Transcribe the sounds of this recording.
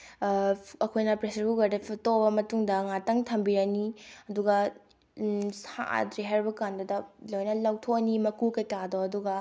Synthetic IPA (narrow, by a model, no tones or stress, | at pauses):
ɐkʰojnɐpɾesɐɾbuɡɐɾdepʰtobɐmɐtuŋdɐŋatɐŋtʰɐmbiɾɐniɐduɡɐ | sa̰ʔa̰dɾiɦajɾbɐkandɐdɐlojnɐlawtʰonimɐkukɐtadoɐduɡɐ